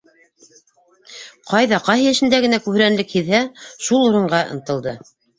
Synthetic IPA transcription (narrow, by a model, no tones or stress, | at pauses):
qɑjðɑqɑɦiɘ̆ʃɘ̆nd̪æɡɘ̆nækʉh̆ɾænlɘkhiðhæʃulˠuɾɤ̆ɴɢɑʔɤ̆nt̪ɤ̆lˠd̪ɤ